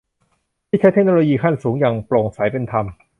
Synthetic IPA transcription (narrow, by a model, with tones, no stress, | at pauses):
t̪ʰiː˥˩t͡ɕʰa˦˥t̪ʰknoː˧loː˧jiː˧kʰa˥˩nsuː˩˦ŋjaː˨˩ŋploː˨˩ŋsa˩˦jpe˧nt̪ʰa˧m